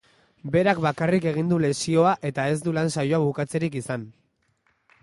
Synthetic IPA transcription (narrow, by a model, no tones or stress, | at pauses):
be̞ɾakbakarike̞ɣ̞ind̪ule̞sio̞aʔe̞t̪ae̞zd̪ulansajo̞aβukat͡se̞ɾikisan